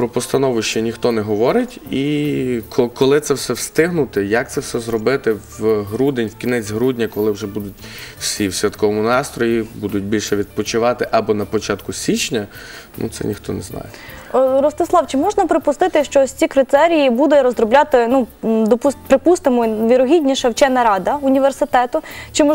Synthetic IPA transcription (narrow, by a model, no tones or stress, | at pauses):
pɾɔpɔst̪ɐnɔʋʊʃt͡ʃɛnʲixt̪ɔnɛɦɔʋɔɾɪtʲikʰkɔlˠɪt̪sɛwsɛwst̪ɪɦnʊt̪ɪjɐk̚t̪sɛwsɛzɾɔbɪt̪ɪʋɦɾud̪enʲwkʲinɛt͡sʲɦɾudʲnʲɐkɔlˠɪwʒɛbud̪ʊt̚ʲw̥sʲiwsʲʋʲɐd̪kɔʋɔmʊnɑst̪ɾɔjibud̪ʊt̚ʲbʲilʲʃɛʋʲid̪̚pɔt͡ʃɪʋɑt̪ɪʔɐbɔnɐpɔt͡ʃɑt̪kʊsʲit͡ʃnʲɐ | nṵt̪sɛ̰nʲixt̪ɔ̰nɛznɑ̰jeɾɔst̪ɪslˠɑwt͡ʃɪmɔʒnɐpɾɪpʊst̪ɪt̪ɪʃt͡ʃɔsʲt͡sʲikɾɪt̪ɛɾʲijibud̪ʊɾɔzɾɔblʲɑt̪ɪnud̪ɔpupɾɪpust̪ɪmɔʋʲiɾɔɦʲidʲnʲiʃɐwt͡ʃɛnɐɾɑd̪ɐʊnʲiʋersɪt̪ɛt̪ʊt͡ʃɪmɔ